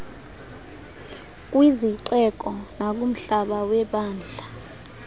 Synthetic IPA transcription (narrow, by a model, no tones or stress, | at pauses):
k̬ʼwiziǀɛk̬ʼɔnak̬ʼum̩ɬaɓawɛɓaːnd͡ɮʱa